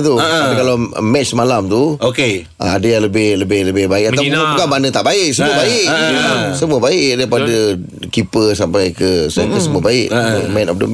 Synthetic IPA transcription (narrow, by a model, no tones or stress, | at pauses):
t̪ukalawmɛt͡ʃsəmalamt̪uoke | ə̰adəjaləbɪhləbɪhləbɪhbaɪʔkat̪aupukabanət̪aʔbaɪʔsəmuəbaɪʔsəmuəbaɪʔdaipadə | kipəsampajkəsakəsəmuəbaɪʔmɛ̃nɔ̰fdə̰m